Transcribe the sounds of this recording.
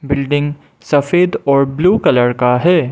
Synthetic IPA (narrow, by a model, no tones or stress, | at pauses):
bɪlɖɪ̃ŋɡ | sɐfeːd̪ɔːɾbluːkɐləɾkaɦɛː